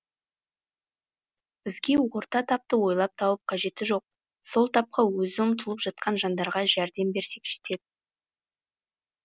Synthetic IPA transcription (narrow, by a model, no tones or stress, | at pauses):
b̥ɪzɡʲe̞wo̞ɾt̪ɑt̪ʰɑp̚t̪əwo̞jlˠɑp̚t̪ʰɑwəp̚qʰɑʒe̞t̪ɪʒo̞q̚ | so̞lˠt̪ʰɑp̚qʰɑwɵzɪʊmt̪ʰəlˠəpʒ̥ɑt̪̚qɑnʒɑnd̪ɑɾʁɑʒæɾd̪e̞mbe̞ɾse̞kʒ̥e̥t̪e̞d̪ɪ